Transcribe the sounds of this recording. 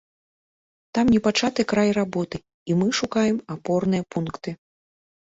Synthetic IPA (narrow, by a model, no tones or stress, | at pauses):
t̪amnʲɛpat͡ʂat̪ɨkɾajrabɔt̪ɨ | imɨʂukajɛmapɔrnɨjɐpunkt̪ɨ